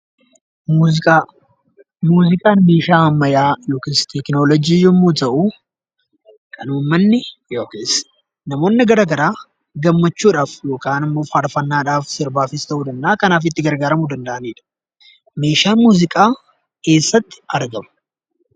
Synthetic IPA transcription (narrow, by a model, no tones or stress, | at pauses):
a | muːzɪkʼaːnme̞ːʃaːhɐmːɐjaːjo̞ːkeːst̪ɛknoːlɔd͡ʒiːjɔmːuːt̪ɐʔu | kʰɐnuːmːɐnːɪjoːkeːs | nɐmo̞ːnːɪɡɐɾɐɡɐɾaː | ɡɐmːɐt͡ʃːuːᶑaːfjo̞ːkaːnɪmːo̞ːfaɾfɐnːaːᶑaːfsɪɾbaːfɪst̪ɐʔuːd̪ɐnd̪ɐaːkɐnaːfɪt̪ːɪɡɐɾɡaːɾɐmud̪ɐnd̪ɐʔɐneːᶑɐ̥ | me̞ːʃaːnmuːzɪkʼaː | kʰe̞ːsːɐt̪ːɪ̥ɐɾɡɐmɐ̥